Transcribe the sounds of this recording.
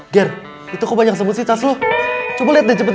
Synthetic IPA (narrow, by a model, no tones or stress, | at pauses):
ɡɛr | it̪ukobaɲak̚s̬əbut̪̚sit̪aslot͡ʃubaliat̪̚did͡ʒəbət̪